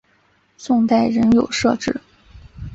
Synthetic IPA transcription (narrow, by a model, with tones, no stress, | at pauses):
sʊ˥˧ŋt̪a˥˩ɪɻə˧˥njo˨˩ʊʂɤ̰˥˧ʈ͡ʂɻ̩˥˩